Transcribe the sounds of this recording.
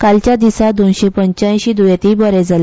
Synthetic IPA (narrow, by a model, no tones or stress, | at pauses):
kalt͡ɕjad̪isad̪onɕepəɲt͡ɕãj̃ɕiːd̪ujet̪ibəɾed͡zale